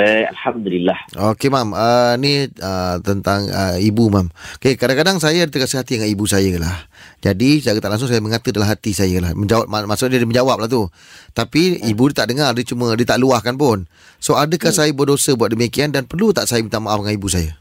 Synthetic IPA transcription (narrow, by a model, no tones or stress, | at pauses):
a̰lhamd̪ulilːahokemaməniət̪ənt̪aŋə̰ibumamkekadaŋkadaŋsajadət̪əkasiɦat̪idəŋanibusajəla̰hd͡ʒadisajɡət̪aʔlaŋsʊŋs̬ajaməŋat̪ədalamɦat̪isajalahməɲd͡ʒawap̚mmasʊʔnidiməɲd͡ʒawap̚laht̪u | t̪apiibudiət̪aʔdəŋardit͡ʃumədiət̪aʔluahkanpʊn | soadəkahsajabuadosəbuat̪̚dəmikiandanpərlut̪aʔsajabint̪aŋmaʔafŋanibus̬aja